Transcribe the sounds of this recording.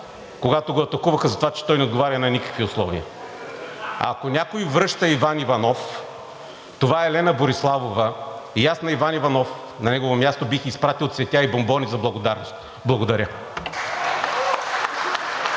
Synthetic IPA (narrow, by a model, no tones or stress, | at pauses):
koɡat̪oɡoɐt̪ɐkuvɐxɐzɐt̪ovat͡ʃɛ̥t̪ɔjnɛod̪ɡovaɾʲɐnɐnikə̥kviʊslˠɔ̰vḭə̰ | ɐ̰konʲakojvɾɤʃt̪əivanivɐnɔf | t̪ovaɛlɛnɐboɾislˠavovəijasnɐivanivɐnɔf | nɐnɛɡovomʲjast̪obixispɾat̪ilˠot̪svɛt̪ʲaibombɔnizɐblˠɐɡod̪aɾnost̪ | blˠɐɡod̪ɐɾʲə